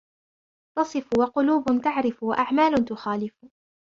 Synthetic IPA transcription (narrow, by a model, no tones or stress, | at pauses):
t̪ɑsˤɨfwɑqʊluːbʊt̪aʕɾɪfwaʔaʕmaːlʊt̪ʊxaːlɪf